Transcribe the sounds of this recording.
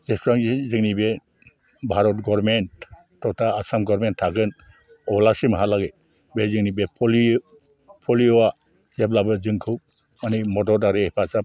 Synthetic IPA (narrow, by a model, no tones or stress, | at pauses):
zɛstɹaŋzɛziŋnibɛ | bʱaɾɔtɡɔɾmentː | ɔtaːsamɡɔɾmentʰːaɡɯn | ɔblasimaɦalaɡe | bɛziŋnibepʰɔli | pʰɔliɔwa | zɛblabɯzɯŋkʰɯw | manimɔdɔdaɾeɛpʰasa